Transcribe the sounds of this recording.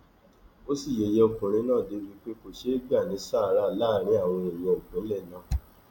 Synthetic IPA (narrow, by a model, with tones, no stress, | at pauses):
o˦si˦˨je˨je˧o˨kũ˨ɾ̃ĩ˨˧˦nãː˦˨de˨˦bi˦k͡pe˦ko˨ʃe˦ɡ͡ba˦˨nĩ˨˦sa˦˨˦ɾa˦˨la˦˨ɾ̃ĩ˨˦a˦˨w̃ɔ̃˧e˨j̃ɛ̃˧o˨kũ˨˦lɛ˦˨nã˨˦˨